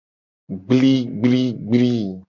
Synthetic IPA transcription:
ɡ͡bli˦ɡ͡bli˦ɡ͡bli˦

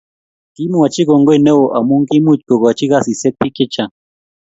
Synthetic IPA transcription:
ti˦mu˦˨a˨t͡ʃi˦ɡo˨ŋɡo˦e˨ne˦wo˨ʔa˨mu˦ŋki˦mu˦˨t͡ʃko˨ko˨a˨t͡ʃi˦ka˦˨si˨sɛ˦k̚pi˦kɪ˦t͡ʃa˨

